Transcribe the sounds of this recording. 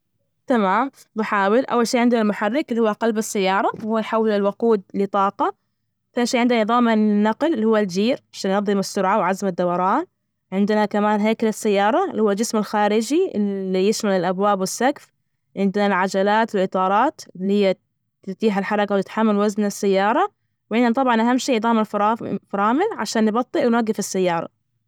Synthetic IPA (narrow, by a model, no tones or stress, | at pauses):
t̪amaːm | ðʊħaːwɪlʔa̰wːalʃiːʕɪnd̪ɪnalmʊħarːɪklːihʊwːaqɑlbɪsːajːɑːɾˤɑwhuːajħawːɪlɪlwʊquːd̪̚lɪt̪ˤɑːqɑ | faːʃiːʕɪnd̪najɨðˤɑːmanːɑqllːihuwːald͡ʒiːɾʕaʃaːnjnɑðˤːɨmɪsːʊɾʕawʕazmad̪ːawɑɾˤɑːn | ʕɪnd̪ɪnakamaːnɦeːkalasːajːɑːɾˤɑlːihuːald͡ʒɪsmɪlxaːɾɪd͡ʒilːijɪʃmalɪlʔabwaːbwɪsːakf | ʕɪnd̪nalʕad͡ʒalaːt̪ɪlʔɨt̪ˤɑːɾˤɑːt̪lːhɪjːa | t̪ɪt̪iːħɪlħɑɾˤɑkawt̪ɪt̪ħamːalwaznasːajːɑːɾˤɑ | wʕɪnd̪nat̪ˤɑbʕɑnʔaɦamːʃiːʔðˤɑːmɪlffɾˤɑːmɪlʕaʃaːnːbɑt̪ˤːiʔwnwaɡːɪfɪsːajːɑːɾˤɑ̰